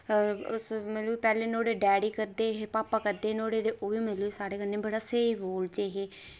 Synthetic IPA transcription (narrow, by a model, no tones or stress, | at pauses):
smələbpɛːlẽːnoːɽeːɖɛːɽiːkəɾd̪eːɦepaːpaːkəɾd̪eːnoːɽeːd̪eːʔoːʋiːməleːsaːɽeːkənːeːbəɽaːseːiːboːld͡ʒeːɦeː